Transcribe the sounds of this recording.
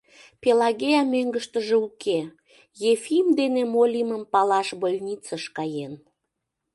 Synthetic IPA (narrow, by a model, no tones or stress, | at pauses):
pelɑɣeɑmøŋɡəʃt̪əʒeukʰe | jefimd̪enemolʲiməmpɑlɑʃbolʲnʲit͡səʃkɑjen